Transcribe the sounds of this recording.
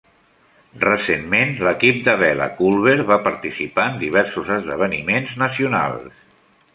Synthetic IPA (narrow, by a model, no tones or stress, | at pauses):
rəsemmenləkip̚d̪əβɛlə̰kulˠβeɾβapəɾt̪isipaənd̪iβ̞ɛɾsuzəzðəβ̞ənimenznəsiuna̰lˠs